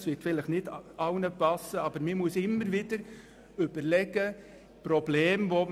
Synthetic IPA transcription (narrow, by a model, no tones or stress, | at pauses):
sʋɪtfɪləχnɪdɑʊnəpɑsəɑbəɾmɪmuəsɪmːəɾʋɪd̥əɾ | ʏb̥əɾlɛɡ̥ə | pɾɔb̥leːmvo